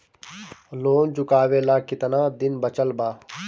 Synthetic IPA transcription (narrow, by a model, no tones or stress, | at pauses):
loːnd͡ʒʊkaːʋeːlaːkɪt̪naːd̪ɪnbət͡ʃəlbaː